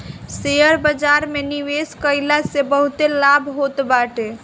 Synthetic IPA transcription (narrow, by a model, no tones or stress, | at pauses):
seəɾbəd͡ʒaɾmeniʋeskəɪlasebəɦut̪elabʱɦot̪baʈe